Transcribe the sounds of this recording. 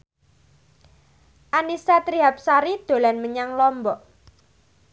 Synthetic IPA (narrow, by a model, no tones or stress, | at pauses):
ʔanisat̪ɾiɦap̚saɾid̪̥o̤lanməɲaŋlɔmbɔʔ